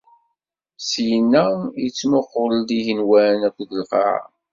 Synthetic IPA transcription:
sjənːæjət͡sːmʊqːʊɾəld̪iʝənwænækʷːðəlfɑ̰ʕ̰

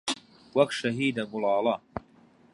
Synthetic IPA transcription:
wɐkʃɐɦiːd̪ɐɡʊlɑːlˠɐ

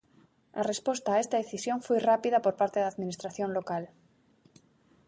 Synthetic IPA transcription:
a̰re̞spo̞st̪aːe̞st̪aðeθisjõ̞ɱfwojrapiðapo̞ɾpaɾt̪eðaðmĩnist̪ɾaθjõ̞nlo̞kal

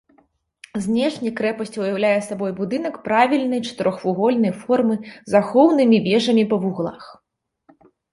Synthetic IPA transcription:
zʲnʲɛʂnʲɐkɾɛpɐsʲt͡sʲujawlʲajɛsabɔjbud̪ɨn̪ɐkpɾavʲilʲnɨjt͡ʂɐ̥t̪ɨɾɔxvuɣɔlʲnɐjfɔrmɨzaxɔwnɨmʲivʲɛʐɐmʲipɐvuɣlˠa̰x

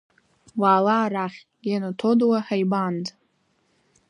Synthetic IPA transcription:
waːlaːɾaχʲ | janatʰodwaħajband

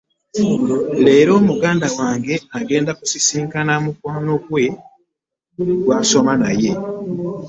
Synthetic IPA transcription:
le̞ːɾo̞ːmuɡaːndawaːŋɡe̞aɡe̞ːndakusisiːŋkanamukwaːno̞kwe̞ | ɡwaːso̞manaje̞

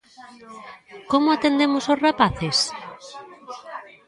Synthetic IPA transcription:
komʊat̪end̪emososrapaθes

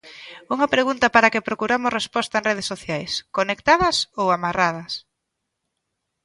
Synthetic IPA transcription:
uŋɐpɾeɣunt̪ɐpaɾakɪpɾokuɾamʊsrespɔst̪aẽnreð̞esːoθjajskonekt̪aðɐsowamarað̞ɐs

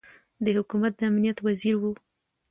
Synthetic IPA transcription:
d̪əhʊkumat̪̚d̪əamnijat̪waziɾwu

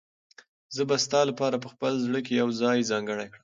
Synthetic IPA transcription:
zəbast̪ɑlapɑɾap̬əxpəlzɽəkejawzɑjzɑŋɡəɽajkɽəm

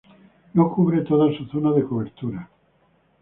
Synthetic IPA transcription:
nokuβɾet̪oðasuθonaðekoβ̞eɾt̪uɾa

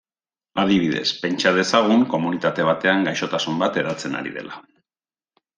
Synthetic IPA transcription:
að̞iβ̞iðe̞̰spe̞nt͡ʃað̞e̞saɣ̞uŋko̞munit̪at̪e̞β̞at̪e̞aŋɡajʃo̞t̪asumbat̪e̞ɾat͡se̞na̰ɾḭðe̞̰la

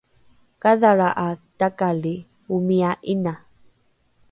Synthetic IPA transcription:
kaðaɾaʔatakali | umiaʔina

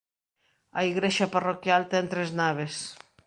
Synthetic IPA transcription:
aiɣɾeʃaparokjalt̪ent̪ɾeznaβ̞es

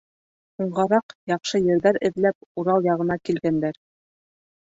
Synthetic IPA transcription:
huɴʁɑɾɑqjɑqʃɤjɘ̆ɾðæɾɘ̆ðlæp̚uɾɑlˠjɑʁɤ̆nɑkilɡænd̪æɾ

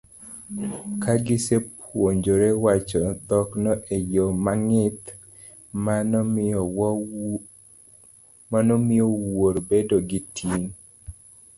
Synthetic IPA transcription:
kʰaɡɪsepwoɲd͡ʒoɾewat͡ʃɔd̪ɔknɔʔejomaŋɪt̪ | ma | manomɪowoɾbedoɡitiŋ

